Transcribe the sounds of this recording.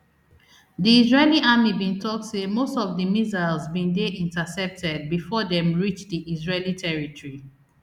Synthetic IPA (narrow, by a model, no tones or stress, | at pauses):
diizɹeliʔamibĩntʰɔk̚tsemostɔvdəmizalzbĩndeʔĩntasɛp̚tʰɛd̚bifɔdɛ̃mɹit͡ʃdiʔizɹelitʰɛɹitɔɹi